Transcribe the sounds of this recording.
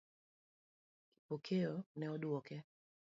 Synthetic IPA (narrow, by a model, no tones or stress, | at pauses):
ki̥pɔkʰɛɔnɛɔɗuɔkɛ